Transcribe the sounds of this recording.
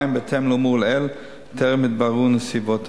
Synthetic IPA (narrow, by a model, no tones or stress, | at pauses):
jmbet̪ʰemlomuʁlɛl | t̪ʰeʁmit̪̚baʁunəsibot̪ʰ